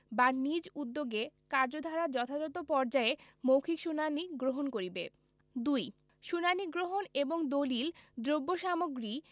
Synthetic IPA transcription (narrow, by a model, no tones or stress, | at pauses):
banid͡ʑud̪ːoɡekaɾd͡ʑod̪ʱaɾad͡ʑɔt̪ʰad͡ʑɔt̪opɔɾd͡ʑae | mowkʰikʃunaniɡɾoɦonkoɾibe | d̪uj | ʃunaniɡɾoɦoneboŋd̪olild̪ɾobːoʃamoɡɾi